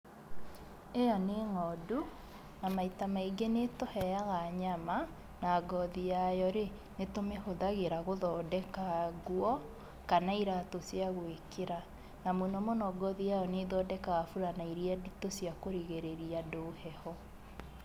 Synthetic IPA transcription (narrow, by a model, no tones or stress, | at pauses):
ejɔneŋɔːdu | namaitamaiɡenetohɛjaɣaɲama | naːɡɔðijajɔɾe | netomehoðaɣeɾaɣoðɔːdɛkaɣwɔ | kanaiɾatosiaɣwekeɾa | namonɔmonɔɡɔðiajɔneðɔdɛkaɣafuɾanaiɾiaditosjakoɾiɣeɾeɾiadoːhɛhɔ